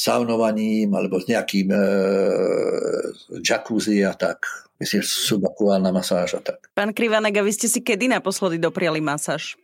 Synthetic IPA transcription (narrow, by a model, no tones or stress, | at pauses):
sa̰ʊnɔʋaɲiːmalɛbɔzɲɛakiːm | d͡ʒakuziat̪akmisliːmsubakuaːlnamasaːʒat̪ḁkpaːnkɾiʋanɛɡaʋiscɛsikɛd̪inapɔslɛd̪id̪ɔpɾɪalimasaːʃ